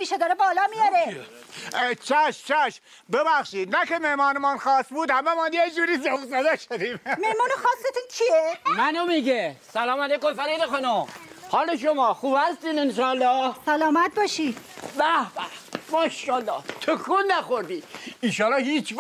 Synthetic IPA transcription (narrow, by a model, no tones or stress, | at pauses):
miːʃed̪ɒːɾebɒːlɒːmijɒɾe | t͡ʃʰæʃt͡ʃʰæʃ | bebæxʃiːd̪nækemehmɒːnemɑnxɒːst̪buːd̪hæmemɒːnjed͡ʒuːɾiːsofzæd̪æʃod̪iːmmehmɒːnoxɒːsːet̪unkʰiemænomiːɡesælɒːmælejkomfæɾid̪exonohɒːloʃ̬omɒːxuːb̥hæst̪iːnenʃɒːælːɒːhsælɒːmæt̪̚bɒːʃid̪̥bæhbæhmɒːenʃɒːlːɒːht̪ʰokʰunːæxoɾd̪iːinʃɒːlːɑːhiːt͡ʃ